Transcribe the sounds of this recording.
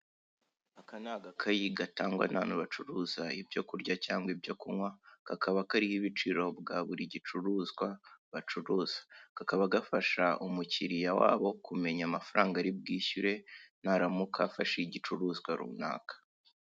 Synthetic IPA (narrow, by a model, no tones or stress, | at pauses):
akanaːɡakʰajiɡataːŋɡwa̰na̰nuβat͡ʃuɾuzaibɟo̞kuɾɟacaːŋɡwibɟokuŋwakakaβakaɾihiβit͡ʃiɾo̞bɡaβuɾiɟit͡ʃuɾuːzɡwaβat͡ʃuɾuːz̥ḁkakaβaɡafaʃaʔumuciɾijawa̰ːβo̞kume̞ɲamafaɾaːŋɡaɾib̚ɡiːçuɾe̞naɾamukʰafaʃeiɟit͡ʃuɾuːzɡwaɾṵːna̰ːkḁ